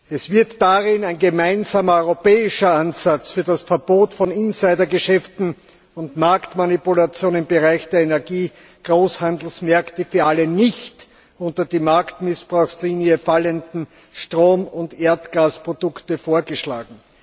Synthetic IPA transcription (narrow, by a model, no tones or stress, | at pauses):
ɛsv̥ɪɐtːaʁɪnæɪnɡəmaɪnzaːmɐɔʏʁopɛːɪʃɐʔanz̥at͡sfyːɐdasfɛɐb̥oːtfɔnɪnsaɪdɐɡəʃɛftn̩ | ʊntmaɐktmanipulat͡sjoːnɪmbəʁaɪçd̥eːɐenɛɐɡiː | ɡ̥ʁoːshand̪l̩smɛɐktəfyːɐʔalənɪçt | ʔʊ̃ntɐdiːmaɐktmɪsb̥ʁaʊxsliːnjəfaləndn̩ | ʃtʁ̥oːmʊntʔeːɐtɡ̥aːspʁ̥od̥ʊktəfoːɐɡəʃla̰ːɡŋ̩